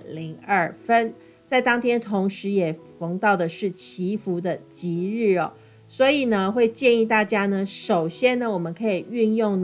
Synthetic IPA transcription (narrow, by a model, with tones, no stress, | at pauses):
li˧˥ŋə˥˩fə˦˥n | t͡sɪt̪ɑ˥ŋt̪ʰjɛ˥nt̪ʰʊ˧˥ŋʂɻ̩˧˥jɛ˨˩fɤ˧˥ŋt̪ɑ˥˩ʊd̪ə˩ʂɻ̩˥˩t͡ɕʰi˧˥fu˧˥d̪ə˧t͡ɕi˧˥ɻɻ̩˥˩ɔ̰˨˩ | swɔ˧˥i˨˩nə˦xwe˥˧ɪt͡ɕjɛ˥˧ni˥˧t̪a˥˩t͡ɕja˥nə˨ʂo˨˩ʊɕjɛ˥nnə˨wɔ˨˩mə˦nkʰɤ˧˥i˨˩y˥˧njʊ˥˩ŋn